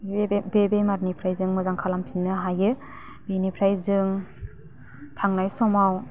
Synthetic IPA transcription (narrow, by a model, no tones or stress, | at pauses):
bebemaɾnipʰɾajzɯŋmɯzaŋkʰalampʰinːɯɦajɯ | benipʰɾajzɯŋ | kʰaŋnajsɔmaw